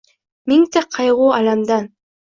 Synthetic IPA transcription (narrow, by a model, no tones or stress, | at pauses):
mʲiŋt̪aqʰɑjʁuːɑlamd̪ɑn